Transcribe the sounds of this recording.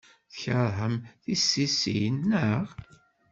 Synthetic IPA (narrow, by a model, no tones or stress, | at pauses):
θəçəɾˤɦəmθisːisḭnːəʁ